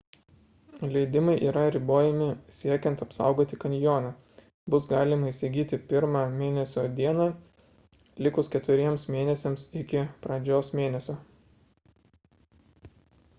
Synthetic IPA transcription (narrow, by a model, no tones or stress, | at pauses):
lʲɛɪd̪ʲɪmɐɪʔiːɾɐɾʲɪboːjɛmʲɪsʲiɛkʲɛnt̪ɐpsɑ̰ˑʊɡoːt̪ʲɪkɐnʲjoːnɑː | bʊsɡɑːlʲɪmɐɪsʲɪɡʲiːt̪ʲɪpʲɪɾmɑːmʲeːnʲɛsʲoːd̪ʲiɛnɑː | lʲɪkʊskʲɛt̪ʊɾʲiɛmsmʲeːnʲɛsʲɛmsɪkʲɪpɾɐd͡ʒʲoːsmʲeːnʲɛsʲoː